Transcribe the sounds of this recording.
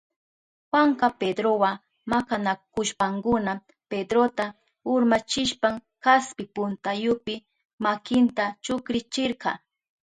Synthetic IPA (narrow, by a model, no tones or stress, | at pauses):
xwaŋkɑped̪ɾowa | makanakʊʃpaŋkʊna | ped̪ɾot̪a | ʊɾmat͡ʃɪʃpaŋ | kaspɪpʊnt̪ajʊpɪ | makɪnt̪at͡ʃʊkɾɪt͡ʃɪɾqɑ̰